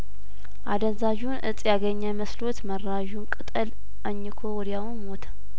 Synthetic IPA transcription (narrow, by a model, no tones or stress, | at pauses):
ʔa̰d̪ənzaʒunʔɨ̰t͡sʼjaɡəɲːəməslot̪mərːaʒunkʼɨt̪ʼəl | ʔəɲːɪkʰowɔɾijawnmot̪ʰ